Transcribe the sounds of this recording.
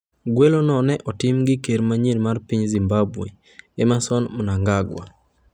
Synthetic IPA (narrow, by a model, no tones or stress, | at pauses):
ɡwelonɔnɛʔɔtɪmɡɪkeɾmaɲilmarpiɲzimbabwḛ | emasɔnmɔnaŋɡaɡwa̰